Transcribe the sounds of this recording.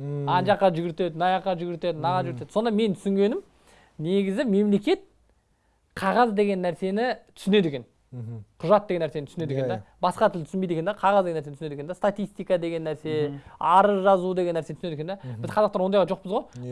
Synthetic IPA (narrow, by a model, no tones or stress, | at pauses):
ɑnʒɑqːɑʒʏɡʲɪɾt̪e̞d̪ɪnɑjɑqːɑʒʏɡʲɪɾt̪e̞d̪ɪnɑʁɑʒʏɡɪɾt̪e̞d̪so̞nd̪ɑme̞nt̪ʰʏ̥sɪŋɡʲe̞nɪm | neɡʲɪzɪme̞mle̞kʲe̞t̪̚ | qʰɑʁɑzd̪e̞ɡʲe̞nːæɾse̞nɪt̪ʰʏ̥sʏne̞d̪ekʲen | qʰʊʒɑt̪̚d̪eɡenæɾsenɪʏsned̪eked̪ebɑsqɑt̪ʰɪlɪt̪ʰʏsɪnmbejd̪ekʲend̪eqʰɑʁɑzd̪eɡenæsenseekend̪est̪at̪ijst̪ijkɑd̪e̞ɡʲe̞nːæɾse̞ɑɾəʒɑzud̪e̞ɡʲe̞nːæɾset̪sneekʰʲeebɪzqʰɑɑqt̪ɑɾwo̞njʁɑʒo̞q̚pəzʁoj